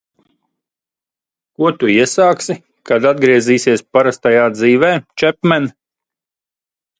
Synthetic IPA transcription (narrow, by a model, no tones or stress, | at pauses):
kuɔt̪uiɛsaːksi | kad̪ad̪̚ɡɾiɛziːsʲiɛspaɾast̪ajaːd̪ziːʋɛːt͡ʃɛpmɛn